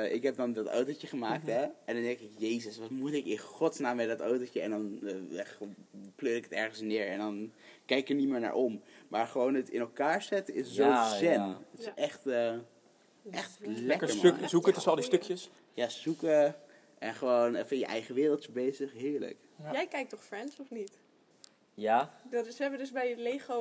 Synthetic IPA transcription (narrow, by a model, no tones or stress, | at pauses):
ʔɪkɦɛp̚dɑndɔta̰wtocəχəmaːk̚tɛʔɛndɑndɛŋkɪkjejzəsʋɑtmutɪkɪnχɔtsnaːmːɛdɑtowtot͡ʃəɛ̰ndɑn | plørɪkə̥tɛɹχənsnɪːɹɛ̰ndɑnkɛjkkəɹnimɪːɹna̰ːɹʔommaːɹχəʋownətɪ̰nɛlˠkaːɹzɛtəɪszozɛnətɪsʔɛχtə | ɛχtlɛkəmksukətəsɑlˠdistøkjəs | jaːzukə | ɛnχəʋownfɪnjəʔɛ̰jχəʋɪːrəlˠtəbejzəχɦɪːɹlə̰k | jɛjkɛjk̚tɔχfrɛnsɔfnit | jadɑtɪsɛbədɵsbɛjətlejχo